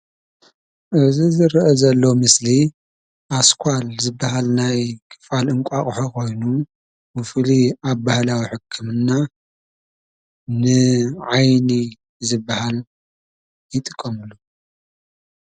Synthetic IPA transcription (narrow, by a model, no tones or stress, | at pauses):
ʔɨzizɨɾʔɐzɐlːo̞mɨsli | ʔaskʰʷalzɨbːahalnajkʰɨ̥falɨŋkʷʼaχʼħokʰo̞jnu | mɨfliaβbahlawiħɨkʰːɨmɨnːa | nɨʕajni | zɨbːahal | jɪt̪ʼɨkʼːɐmɨlu